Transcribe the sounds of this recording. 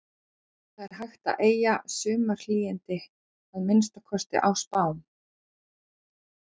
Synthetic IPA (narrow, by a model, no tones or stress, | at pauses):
θaðɛɾ̥ɦajxt̪a̰ʔeːjasʏːmaɾ̥liːjɪnt̪ɪ | aðmɪnst̪akʰɔst̪ɪ̰ʔawspaːwn